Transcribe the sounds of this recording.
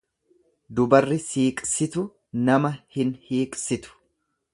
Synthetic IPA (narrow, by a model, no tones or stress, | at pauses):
d̪ʊbɐrːɪsiːkʼsɪt̪ʊ | nɐmɐhɪnhiːkʼsɪt̪ʊ̥